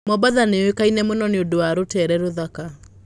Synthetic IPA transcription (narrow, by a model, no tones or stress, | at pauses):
mɔbaðanewekainɛmonɔneodowaɾotɛɾɛɾoðaka